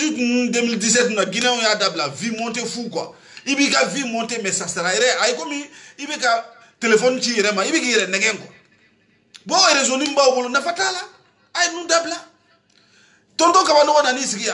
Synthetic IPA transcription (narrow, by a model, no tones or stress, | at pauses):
itũñdemildis̬ɛtnũnaɡinɛ̃ujadabilavimɔ̃ntefukã̰ | ibikavimɔ̃ntemɛsasaɾajɛɾɛajekomĩibɛka | telefɔnũt͡ʃijɛɾɛmãibɛkijɛɾɛnɛɡɛ̃kɔ̃ | bɔjɛɾɛs̬õnĩmũbaubolonafatalaː | jenũdabila | tɔ̃ntɔ̃kabanɔɡɔnanĩsiɡija